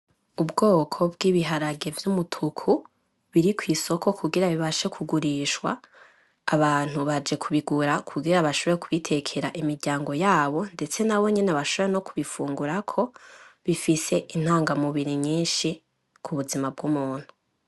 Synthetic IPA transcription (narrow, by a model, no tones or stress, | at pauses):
ubɡo̞ːkʰo̞b̚ɡiːβiɦaɾaɡe̞vjumutʰukʰu | βiɾikwiːso̞kʰo̞kuɡiɾaβiβaʃe̞kʰuɡuɾiʃwa̰ː | βaːn̥uβad͡ʒe̞kʰuβiɡuɾakʰuɡiɾaβaʃoβoɾekʰuβitʰe̞kʰe̞ɾaʔimiɾɟaːŋɡo̞jaːβo̞nde̞t͡se̞naβo̞ɲe̞neβaʃoβoeno̞kuβifuːŋɡuɾakʰo̞βifise̞ʔin̥haːŋɡamuβiɾiɲiːnʃi | kʰuβuzimab̚ɡumuːn̥hu